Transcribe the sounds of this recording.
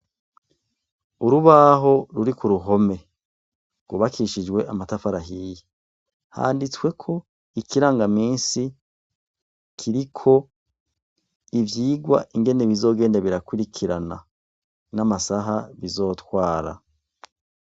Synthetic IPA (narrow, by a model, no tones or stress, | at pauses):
uɾuβaɦo̞ɾuɾikuɾuɦo̞me̞ | ɡ̥wuβakʰiʃid͡ʒɡwe̞ʔamatafaɾaɦije | ha̰ːndit͡swe̞kʰo̞ | ikʰiɾaːŋɡamiːnsi | kʰiɾikʰo̞ | ivjiːɡwa̰ʔiŋɡe̞ne̞βizo̞ːɡe̞ːndaβiɾakwiɾikʰiɾana̰ | namasaɦaβizo̞ːtwaːɾa̰